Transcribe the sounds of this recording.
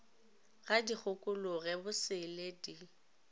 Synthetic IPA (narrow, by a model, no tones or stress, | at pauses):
ɣadik͡xʰʊkʼʊlʊɣɛbʊsɪledi